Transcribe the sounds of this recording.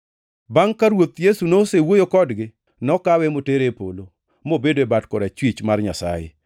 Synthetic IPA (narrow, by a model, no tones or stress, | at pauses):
baŋkaɾwot̪jesunosewojokɔdɡɪ | nɔkawɛmoteɾepo̰lo | mobedoebatkɔɾat͡ʃwit͡ʃmarɲa̰sa̰jḛ